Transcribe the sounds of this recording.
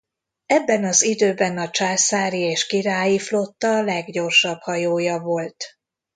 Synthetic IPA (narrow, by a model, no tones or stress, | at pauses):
ɛbːɛnɒzid̪øːbɛnɒt͡ʃaːsaːɾieːʃkiɾaːjiflo̞t̪ːɒlɛɡɟo̞rʃɒbhɒjoːjɒvo̞lt̪